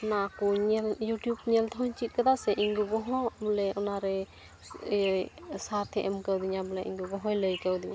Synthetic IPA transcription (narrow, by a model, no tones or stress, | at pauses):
ɔnakɔɲɛljuʈjubɲɛlt̪ʰɔɦɔɲt͡ʃit̪̚kat̪asɛʔiŋɡubɔɦɔbulɛɔnaɾɛ | saɾt̪ʰɛʔɛmkəwd̪iɲabulɛʔḭŋɡubɔɦɔjləjkəwd̪ibi